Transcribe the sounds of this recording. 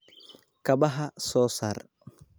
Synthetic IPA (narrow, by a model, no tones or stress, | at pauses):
kɐbɐɦɐsɔːsaːr